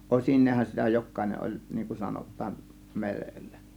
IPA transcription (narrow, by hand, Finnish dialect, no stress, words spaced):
ʔosinˑeːhɑn sitæ jokˑɑˑe̝neʔ ʔolʲ niːŋ kun sɑnotˑɑːn merelːæ